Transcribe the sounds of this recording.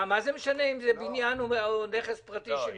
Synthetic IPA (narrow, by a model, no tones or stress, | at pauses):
mazemeʃaneimzebinjanuneχespʁat̪iʃe